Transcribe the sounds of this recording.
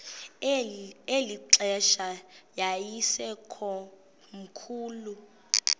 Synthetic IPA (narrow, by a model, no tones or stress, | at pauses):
eliǁɛʃajajisɛkʰɔ | m̩kʰuːlu